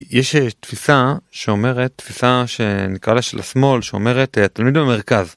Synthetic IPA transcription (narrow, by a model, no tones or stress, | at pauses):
jeʃetfisaʃeo̞me̞ʁetːfisaʃe̞nikʁalaʃelʔa̰smo̞lʃeo̰me̞ʁetet̪almid̪beme̞ʁkaz